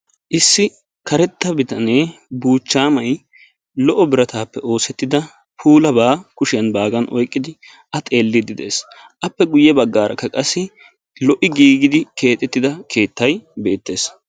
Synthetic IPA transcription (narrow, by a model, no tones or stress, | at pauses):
ʔɪsːɪ | kɐɾɛt̪ːɐbɪt̪ɐne̞ːbuːt͡ʃːaːmɐj | lɔʔɔbɪɾɐt̪aːpːɛo̞ːsɛt̪ːɪd̪ɐ | pʰuːlɐbaːkʊʃɪjɐnbaːɡɐnʔɔjkʼːɪd̪ɪ | ʔɐt̪ʼe̞ːlːɪd̪ɪd̪e̞̰ːs | ʔɐpːɛɡʊjːɛbɐɡːaːɾɐ̰kːɐkʼɐsːɪ | lɔʔɪɡiːɡɪd̪ɪke̞ːt̪ʼɛt̪ːɪd̪ɐkʰe̞ːt̪ːɐjbe̞ːt̪ːe̞ːs